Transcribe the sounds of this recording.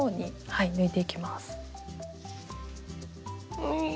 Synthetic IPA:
oːɲ̟ihainɯ̟it̪e̞ikʲimasɨ̥ | ɯ

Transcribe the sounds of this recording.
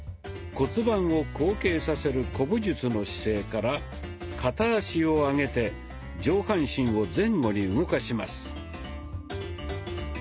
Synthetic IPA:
ko̞t͡sɨbãɰ̃o̞ko̞ːke̞ːsase̞ɾɯ̟ko̞bɯ̟ʑɨt͡sɨno̞ɕi̥se̞ːkaɾa | kʰat̪aːɕio̞aŋe̞t̪e̞ | d͡ʑo̞ːhãɰ̃ɕĩɰ̃o̞d͡zẽ̞ŋɡo̞ɲ̟iɯ̟ɡo̞kaɕimasɨ̥

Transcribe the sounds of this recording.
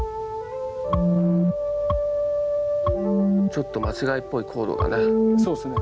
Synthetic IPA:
ɯ | t͡ɕo̞t̪ːo̞mat͡ɕiɡaipːo̞ikʰo̞ːd̪o̰ɡ̪a̰nesoːsne

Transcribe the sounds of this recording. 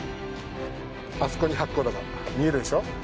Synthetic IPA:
asɨ̥koɲiɦakːod̪aɡ̪a̰ | mʲieɾɯ̟d̪e̞ɕo

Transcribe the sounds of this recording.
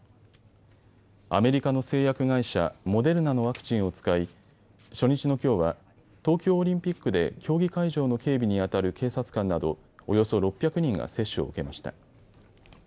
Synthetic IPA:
a̰me̞ɾʲikano̞se̞ːjakɯ̟ɡaiɕa̰mo̞d̪e̞ɾɯ̟nano̞β̞akɯ̟̥t͡ɕĩɰ̃o̞t͡sɨ̥kai | ɕo̞ɲ̟it͡ɕino̞kʲo̞ːβa | t̪o̞ːkʲo̞ːɾʲĩmpʲikːɯ̟d̪e̞̰kʲʰo̞ːɡʲikaiʑo̞ːno̞ke̞ːbʲiɲ̟iat̪aɾɯ̟kʰe̞ːsat͡sɨ̥kãnːad̪o̞̰ː | jo̞so̞ɾo̞pʲːjakɯ̟ɲ̟ĩŋɡa̰se̞ɕːɨo̞̰ɯ̰ke̞maɕi̥t̪a̰

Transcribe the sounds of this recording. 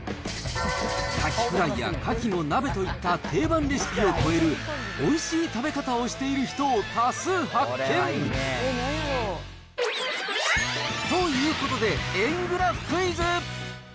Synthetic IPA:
kʰakʲi̥kɯ̟ɾaija̰kakʲino̞nabe̞t̪o̞it̪ːat̪ʰe̞ːbãnɾʲiɕi̥kʲio̞ko̞e̞ɾɯ̟ | o̞iɕiːt̪abe̞kat̪ao̞ɕi̥t̪e̞iɾɯ̟çi̥t̪o̞ːk̪asɨːhakʰːẽ̞ | t̪o̞jɯ̟ːko̞t̪o̞d̪e̞ẽŋɡɯ̟ɾaɯ̥kɯ̟izɨ

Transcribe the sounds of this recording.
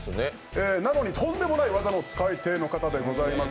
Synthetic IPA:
ne | eːnano̞ɲ̟it̪õ̞nd̪e̞mo̞naiβazano̞t͡sɨ̥kaet̪e̞ːno̞kat̪ad̪e̞ɡo̞zaimas

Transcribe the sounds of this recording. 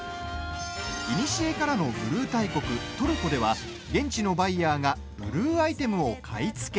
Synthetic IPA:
iɲʲiɕie̞kaɾano̞bɯ̟ɾɯ̟ːt̪aiko̞kɯ̟t̪o̞ɾɯ̟ko̞d̪e̞βa | ɡẽ̞ɲ̟t͡ɕino̞baijaːŋa | b̥ɯ̟ɾɯ̟ːait̪e̞mɯ̟o̞kʰait͡sɨ̥ke̞

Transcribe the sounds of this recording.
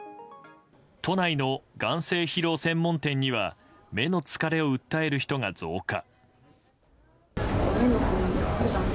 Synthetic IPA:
t̪o̞naino̞ɡãɰ̃se̞ːçiɾo̞ːsẽ̞mːõ̞nt̪ẽ̞ɲ̟ːiβa̰ | me̞no̞t͡sɨ̥kaɾe̞o̞ɯ̟t̪ːae̞ɾɯ̟çi̥t̪o̞ŋad͡zo̞̰ːka̰

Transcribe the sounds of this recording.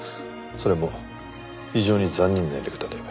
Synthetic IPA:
so̞ɾe̞mo | çiʑo̞ːɲ̟izãɲ̟ːĩnːẽ̞̰nɾekɯ̟̥t̪at̪oima

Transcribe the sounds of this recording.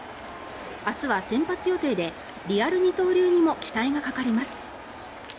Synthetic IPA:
asɨβasẽ̞mpat͡sɨjo̞t̪e̞ːd̪e̞ | ɾʲiaɾɯ̟ɲ̟it̪o̞ːɾʲɯːɲ̟imo̞kʲi̥t̪aiɡakakaɾʲimasɨ̥

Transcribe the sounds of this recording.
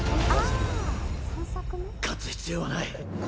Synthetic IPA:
kʰat͡sɨ̥çʲi̥t͡sɨjo̞βanai

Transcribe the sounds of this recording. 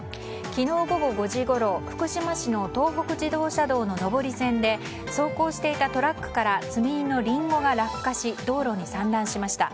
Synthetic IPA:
kʲino̞ːɡo̞ɡo̞ɡo̞ʑiɡo̞ɾo̞ɸɯ̥kɯ̟ɕimaɕino̞t̪o̞ːɦo̞kɯ̟ʑid̪o̞ːɕad̪o̞ːno̞no̞bo̞ɾʲisẽ̞nd̪e̞ | so̞ːko̞ːɕi̥t̪e̞it̪at̪o̞ɾakːɯ̟̥kaɾat͡sɨmʲiinːo̞ɾʲĩŋɡo̞ɡaɾakɯ̥kːaɕid̪o̞ːɾo̞ɲ̟isãnd̪ãɰ̃ɕimaɕi̥t̪a̰

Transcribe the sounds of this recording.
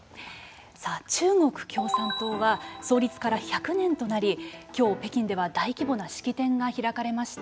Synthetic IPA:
saːt͡ɕɨːŋo̞kɯ̟̥kʲo̞ːsãnt̪o̞ːβaso̞ːɾʲit͡sɨ̥kaɾaçakɯ̟nẽ̞nt̪o̞naɾʲikʲo̞ːpe̞kʲĩnd̪e̞βad̪aikʲibo̞naɕi̥kʲit̪ẽ̞ŋɡaçiɾakaɾe̞maɕi̥t̪a

